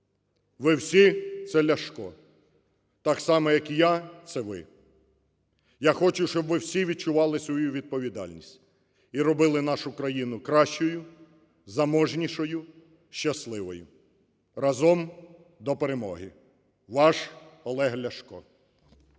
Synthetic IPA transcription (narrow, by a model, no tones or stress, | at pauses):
ʋɪwsʲit̪sɛlʲɐʃkɔ | t̪ɑksɑmɔjɐkijat̪sɛʋɪ̰ | jaxɔt͡ʃʊʃt͡ʃɔbʋɪwsʲiʋʲid̚t͡ʃʊʋɑlˠɪsʋɔjuʋʲid̪̚pɔʋʲid̪ɑ̰lʲnʲisʲtʲ | iɾɔbɪlˠɪnɑʃʊkɾɐjinʊkɾɑʃt͡ʃɔjʊ | zɐmɔʒnʲiʃɔjʊ | ʃt͡ʃɐslˠɪʋɔ̰jʊ̰ | rɑzɔm | d̪ɔpeɾemɔɦɪ | ʋɑʃɔlˠɛɦlʲɐʃkɔ